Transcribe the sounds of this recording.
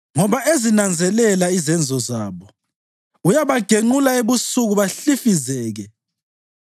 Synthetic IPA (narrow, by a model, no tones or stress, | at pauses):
ŋɔβaʔezinand͡zʱɛlɛlaizɛnd͡zʱɔzaːβɔ | ujaβaɡ̥ʱeŋ͡ǃulaeβusuɣuβaɬifizɛːɣɛ